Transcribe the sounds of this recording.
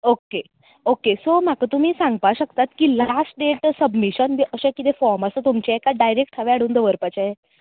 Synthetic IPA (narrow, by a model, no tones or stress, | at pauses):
oke | okesom̤akət̪um̤iːsãŋɡpaɕəkt̪at̪kilasʈ̚ɖeʈsəbmiɕənʋiʔəɕẽkit̪efɔɾməsət̪umt͡ɕeekaɖajɾek̚ʈʰaʋeaɽ̤uːnd̪əʋəɾpat͡ɕae